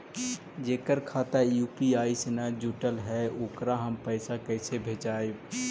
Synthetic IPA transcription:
d͡ʒeːkəɾkʰaːt̪ajuːpiaːisnad͡ʒuːʈəlɦɛʊːkɾaɦəmpɛɪsakɛːsebʱeːt͡ʃaːe

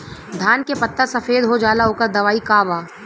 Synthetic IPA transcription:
d̪ʱaːnkepɐt̪ːəɾsɐfeːd̪ɦod͡ʒaːlaɦoːkəɾd̪ɐʋaːikaːbaː

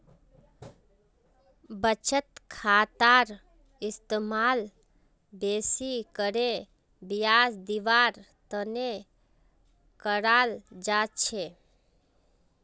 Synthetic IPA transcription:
bət͡ʃət̪kʰaːt̪aːɾ | ɪst̪emaːl | beːsikəɾe | bijaːsd̪iʋaːɾ | t̪əne | kəɾaːld͡ʒaːt͡ʃʰe

